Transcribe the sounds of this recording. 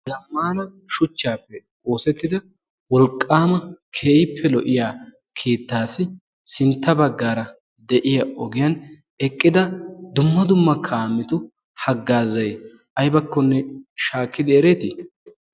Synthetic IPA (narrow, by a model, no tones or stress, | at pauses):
d̪ɐmːaːnɐʃʊt͡ʃːaːpːɛ | o̞ːsɛt̪ːɪd̪ɐ | wɔlkʼːaːmɐkʰeːjɪpːɛlɔʔɪjaː | kʰiːt̪ːaːsɪ | sɪnt̪ːɐbɐɡːaːɾɐ | d̪ɛʔɪjɐɔɡɪjɐn | ɛkʼːɪd̪ɐd̪ʊmːɐd̪ʊmːɐkʰaːmːɪt̪ʊ | hɐɡːaːzɐj | ʔɐjbɐkːɔnːɛʃaːkːɪd̪ɪɛɾeːt̪ɪ